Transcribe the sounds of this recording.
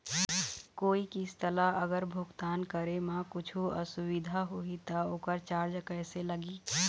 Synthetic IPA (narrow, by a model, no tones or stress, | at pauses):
koːikist̪əlaʔəɡəɾbʱuɡt̪aːnkəɾemãkʊt͡ʃʰuə̰suʋid̪ʱaɦoit̪əoːkəɾt͡ʃaɾd͡ʒkəjseləɡi